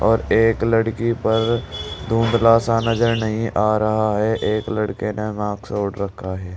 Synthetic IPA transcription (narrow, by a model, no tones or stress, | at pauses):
ɔːɾeːkləɽkipɐɾd̪ʱũːnd̪laːsanɐzəɾnɐɦĩʔaːɾɐɦaɦɛʔeːkləɽkenemãːksoːɽɾəkʰːaɦɛː